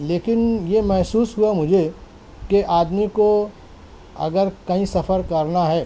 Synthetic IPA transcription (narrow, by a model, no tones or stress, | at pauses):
leːkɪnjemɛɦsuːsɦuamʊd͡ʒʱe | keʔaːd̪miko | ɐ̰ɡəɾkɐɦĩsɐfʰəɾkɐɾnaɦɛː